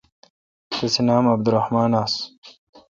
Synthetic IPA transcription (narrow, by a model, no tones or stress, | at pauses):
t̪ɐsenaːmɐb̚d̪uɾahmaːnaːs